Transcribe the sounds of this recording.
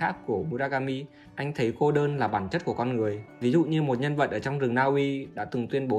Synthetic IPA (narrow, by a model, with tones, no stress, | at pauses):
aː˦˥k̚ku˧˩əmu˧zaː˧ɣaː˧mi˧ | ʔa˧jŋ̟t̪ʰə˨˦jko˧ɗəː˧nlaː˨˩ɓaː˧˩nt͡ɕə˦˥t̚ku˧˩əkɔ˧nŋɨ˨˩əjvi˨˦zṵ˧˨ɲɨ˧mo˨˩t̚ɲə˧nvə̰˧˨t̚ʔəː˧˩t͡ɕɔ˧wŋ͡mzɨ˨˩ŋnaː˧ʔi˧ɗa̰ː˧˥t̪ɨ˨˩ŋt̪wi˧ənɓo˨˦